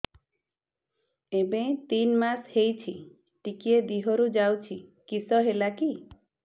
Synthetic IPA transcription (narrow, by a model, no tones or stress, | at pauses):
ebẽt̪inmashejt͡ʃʰi | ʈikied̪iɦɔɾud͡ʒawt͡ʃʰikisɔɦelaki